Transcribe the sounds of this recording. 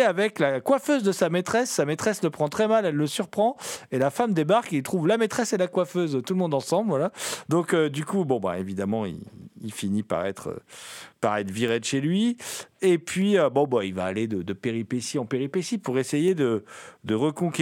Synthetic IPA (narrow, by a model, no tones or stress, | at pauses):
avɛklakwaføzd̪əsamet̪χɛsːamet̪χɛsləpχɑ̃t̪χɛmalɛlːəsyʁpχɑ̃elafamd̪ebaʁkilt̪χuvlamet̪χɛselakwaføzt̪ulmɔ̃d̪ɑ̃sɑ̃blvwalad̪ɔ̃kød̪ykubɔ̃ba̰evid̪amɑ̃ḭilfinipa̰ʁɛ̰t̪χə̰paʁɛt̪χviʁed̪əʃelɥiepɥiøbɔ̃bailvaːled̪əd̪əpeʁipesiɑ̃peʁipesipuʁesejed̪əd̪əʁəkɔ̃kʲ